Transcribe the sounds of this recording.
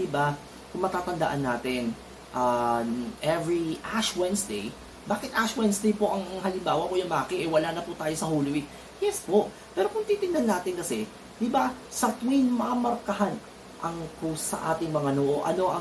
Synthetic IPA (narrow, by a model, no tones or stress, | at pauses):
d̪ɪba | kʊŋmɐt̪aːt̪ɐnd̪ɐʔanːaːt̪ɪn | ʔa | ʔɛvɹiʔaʃwɛnsd̪ɛj | baːkɪt̪ʔaʃwɛnsd̪ɛjpo̞ʔɐŋɐŋɦɐlɪmbaːwɐkojʊŋmaːkɛʔɛwɐlaːnɐput̪aːjo̞sɐholɪwik̚ | jɛspoʔ | pɛːɾokʊŋt̪it̪ɪnd̪ɐnːaːt̪ɪnkɐsɛ | d̪̥ɪba | sɐt̪winmamɐɾkɐɦan | ʔɐŋkosɐ̰ʔaːt̪ɪŋmɐŋanoʔoʔɐ̰no̞ʔɐ